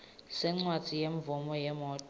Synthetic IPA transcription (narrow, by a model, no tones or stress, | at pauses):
sɛŋ͡ǀwadd͡z̥ʱijeɱvɔmɔjɛmɔːt